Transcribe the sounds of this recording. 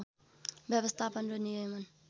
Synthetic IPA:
bjʌbʌst̪ʰapʌnronijʌjmʌn

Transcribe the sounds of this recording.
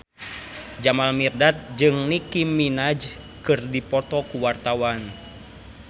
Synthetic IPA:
d͡ʒamalmirdat̪̚d͡ʒɨŋnikimːinad͡ʒ | kɨrdipɔt̪ɔkuwart̪awan

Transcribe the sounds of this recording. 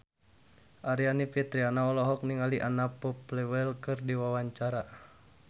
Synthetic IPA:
ʔaɾianipit̪ɾianaɔlɔɦɔk̚niŋaliʔanapɔplɛwɛlkɨrdiwawaɲt͡ʃaɾa

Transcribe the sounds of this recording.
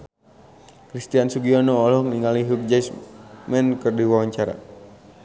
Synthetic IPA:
kɾist̪iansuɡiɔnoːlɔhniŋaliɦuk̚d͡ʒajsmɛnkɨrdiwawaɲt͡ʃaɾa̰

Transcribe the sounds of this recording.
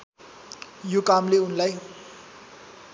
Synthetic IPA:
jukamleunlaj

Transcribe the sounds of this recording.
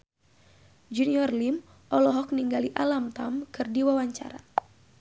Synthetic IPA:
d͡ʒuniɔrlim | ʔɔlɔɦɔk̚niŋɡaliʔalamt̪amkɨrdiwawaɲt͡ʃa̰ɾa̰

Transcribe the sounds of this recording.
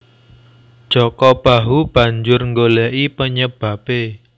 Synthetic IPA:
d̥ʒ̥ɔkɔb̥aɦub̥ä̤ɲd͡ʒʊrŋɡolɛʔipəɲəb̥ä̤pe

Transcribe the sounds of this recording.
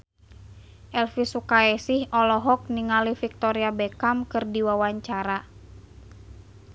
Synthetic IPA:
ʔɛlfisukaɛsihɔlɔɦɔk̚niŋalifik̚t̪ɔɾiabɛkamkɨrdiwawaɲt͡ʃaɾa

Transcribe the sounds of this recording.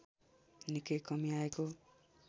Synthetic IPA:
nikejkʌmiaeko

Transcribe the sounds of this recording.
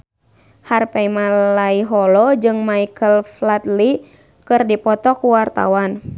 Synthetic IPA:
harpɛimalaiɦɔlɔd͡ʒɨŋmaikʰəlflat̪li | kɨrdipɔt̪ɔkuwart̪a̰wan

